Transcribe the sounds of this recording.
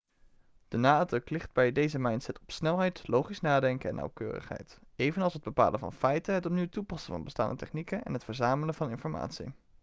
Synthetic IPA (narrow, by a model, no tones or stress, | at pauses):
d̥ənaːdrɵklɪχd̚bɛjdejzəmɑjntsɛtɔpsnɛlˠɦɛjtlowχisnaːdɛŋkəɛ̰nːɑ̰wkøːrə̰χɦɛ̰jtejvənɑlˠsɦəd̚bəpa̰ːlʔənvɑ̰nfɛjtəɦətɔpniwtupɑsəvɑ̰nbəsta̰ːndətɛχnikənɛ̰nɦətfəɹzaːmələvɑnɪnfɔɹma̰ːtsḭ